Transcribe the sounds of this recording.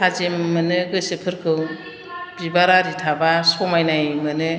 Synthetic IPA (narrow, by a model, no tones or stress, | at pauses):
tʰazemːɯnɯɡɯsɯpʰɯɾkʰɯw | bibaɾaɾitʰabasɔmajnajmɯnɯ